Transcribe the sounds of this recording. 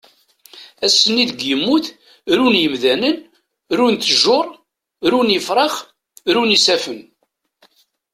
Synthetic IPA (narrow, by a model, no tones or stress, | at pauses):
æsːənːiðəɡjəmːuθ | ɾunjəmðænən | ɾunt̪əʒʊɾˤ | ɾunjəfɾˤɑχ | ɾunisæfən